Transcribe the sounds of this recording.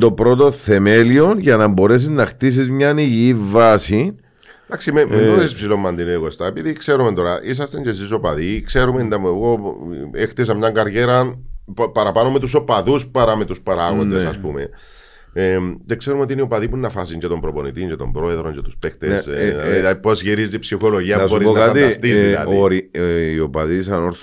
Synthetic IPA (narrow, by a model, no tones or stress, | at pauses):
t̪o̞pɾo̞t̪o̞θe̞me̞lio̞nʝɐnɐmbo̞ɾe̞s̬iznɐxt̪is̬izmɲɐniʝiːvɐsi | d̥̪ɐksimemeoðesispsilo̞mːɐnd̪ineeɣost̪ɐepiðikse̞ɾumet̪o̞ɾɐʔis̬ɐst̪eɲceːsisopɐðikse̞ɾumend̪ɐmeɣoext̪is̬ɐmɲɐŋɡɐɾʝe̞ɾɐ | pɐɾɐpɐnome̞t̪us̬o̞pɐðuspɐɾɐme̞t̪uspɐɾaɣond̪esɐspume̞̰ | emd͡ʒekse̞ɾumeot̪ineiopɐðipuinːɐfɐsiɲd͡ʒet̪o̞mbɾopo̞nit̪iɲɟet̪o̞mbɾo̞e̞ðɾo̞ɲɟet̪uspext̪eslɐipozʝiɾizipsixo̞lo̞ʝiɐnbo̞ɾionaɐt̪ist̪islɐ̰ðoɾiiopɐðisɐnoɾθ